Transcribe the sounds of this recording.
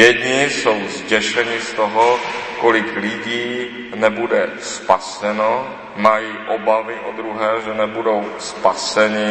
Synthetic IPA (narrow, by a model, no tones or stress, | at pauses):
jɛd̪ɲɪsowzɟɛʃɛɲɪst̪o̞ɦokolɪklɪɟiː | nɛbudɛ | spasɛno | majiːʔobavɪʔo̰d̪ɾuɦɛːʒɛnɛbudo̞wspasɛɲɪ